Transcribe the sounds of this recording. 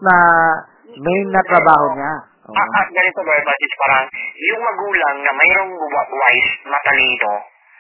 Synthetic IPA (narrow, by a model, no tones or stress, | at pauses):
nɐ | mɛjnɐt̪ɾɐbaːho̞ɲaʔo̰aʔat̪̚ɡɐnɪt̪obɐbasɪspaːɾɐŋjʊŋmɐɡuːlɐŋnɐmɛjɾoŋwawajsmɐt̪ɐlit̪o